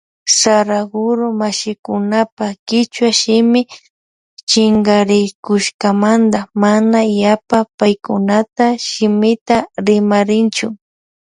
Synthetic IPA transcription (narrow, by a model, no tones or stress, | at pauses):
saɾaɡʊɾomaʃɪkʊnapakɪt͡ʃwaʃɪmɪ | t͡ʃɪŋɡaɾɪkʊʃkamand̪amanajapapajkʊnat̪aʃɪmɪt̪aɾɪmaɾɪnt͡ʃʊ